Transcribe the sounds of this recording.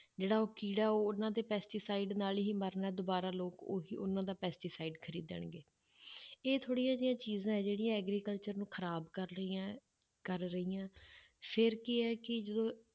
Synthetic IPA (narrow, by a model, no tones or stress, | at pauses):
d͡ʒeːɽaːoːkiːɽaːoːʊnːãːd̪eːpɛːsʈiːsaːiɖnaːlɦiːməɾnaɛːd̪obaːɾaːloːko̰ːɦiːʔʊnãːd̪aːpɛːsʈiːsaːiɖkʰəɾiːd̪ə̰ɳɡeː | eːt̪ʰoːɽijãːd͡ʒɪjãːt͡ʃiːzãːɦɛːd͡ʒeːɽijãːɛːɡɾiːkəlt͡ʃəɾnũːkʰəɾaːbkəɾã | kəɾɾəiːjãː | pʰɪɾkɪɛːkɪd͡ʒəd̪õː